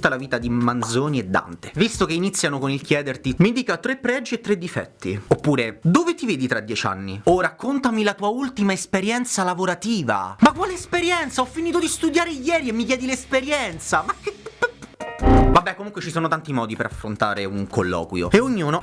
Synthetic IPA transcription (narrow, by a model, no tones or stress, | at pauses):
t̪ːalaviːt̪ad̪imand̪zoːnied̪ːa̰nt̪evist̪okeinit̪sːjanokonilk̟jɛːd̪ert̪imind̪iːkat̪ɾepːɾɛd͡ʒːiet̪ːɾed̪ːifɛ̰t̪ːiopːuːɾed̪ovet̪iveːd̪it̪ɾad̪jɛt͡ʃa̰nːiorakːont̪amilat̪uːault̪imaespeɾjɛnt̪salavoɾat̪iːva̰makːwaːleespeɾjɛnt̪saɔfːiniːt̪od̪ist̪ud̪jaːɾejɛːɾiemːikjɛːd̪ilespeɾjɛnt̪samae | vabːɛkːomuŋkwet͡ʃisoːnot̪ant̪imɔːd̪ipeɾa̰fɾont̪a̰ːɾeuŋkolːɔ̰ːkwjo̰eoɲːuːno